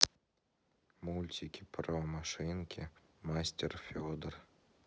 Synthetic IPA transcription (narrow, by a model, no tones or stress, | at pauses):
mulʲt̪ʲʰikʲipromaʂɨnkʲʰi | masʲtʲerfʲod̪ər